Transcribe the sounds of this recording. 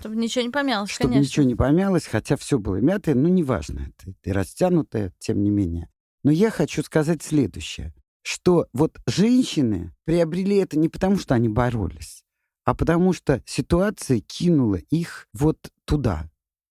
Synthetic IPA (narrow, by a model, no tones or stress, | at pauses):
ʂt̪obnʲɪt͡ɕɪvonʲɪpɐmʲalˠəsʂt̪onʲɪt͡ɕɪvʲonʲɪpɐmʲalˠəsʲxɐtʲafsʲɵbɨlˠəmʲat̪əjənunʲɪva̰ʐnə̰ɛt̪ə̥iɾɐsʲtʲanʊt̪əjətʲe̞mnʲɪmʲenʲɪjə | nojaxɐt͡ɕuskɐzatʲsʲlʲe̞d̪ʊ̰ɕːɪjə̰ | ʂt̪o̞vo̞t̪ʐɛnʲɕːɪnɨ̰pɾʲɪəbɾʲɪlʲiɛt̪ənʲɪpə̥t̪ɐmuʂt̪o̞ɐnʲibɐɾo̞̰lʲɪsʲ | ɐpət̪ɐmuʂt̪osʲɪt̪ʊat̪sɨjəkʲʰinʊlˠəʔixvo̞t̪ːʊd̪a̰